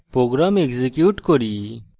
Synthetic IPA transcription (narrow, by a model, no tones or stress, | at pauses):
pɾoːɡɾaːmekzekjuːʈkoɾi